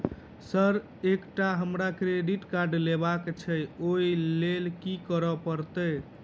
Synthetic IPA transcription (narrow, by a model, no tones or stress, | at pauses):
səɾ | ekʈaɦəmɾakɾeɖiʈkaɾɖlebakt͡ʃʰəjoilelkikəɾɔpəɾt̪ə